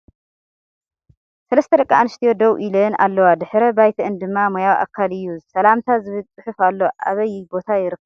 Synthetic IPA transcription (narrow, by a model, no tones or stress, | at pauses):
sɐlɐst̪ʰɐɾɐkʼːaʔanɨʃt̪ʰijod̪owʔilɐnʔa̰lːɐwad̪ɨħɾɐbajt̪ʰɐɨnd̪ɨmːamojawʔa̰kʰːalɨjːusɐlamt̪ʰazɨβɨlt͡sʼɨħufalːo̞ʔaβɐjbo̞t̪ʰajɪɾɨkʰːɐ